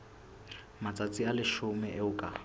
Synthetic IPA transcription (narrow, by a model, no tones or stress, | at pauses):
mat͡sʼat͡sʼialɪʃʊmɛʔɪʊkʼa̰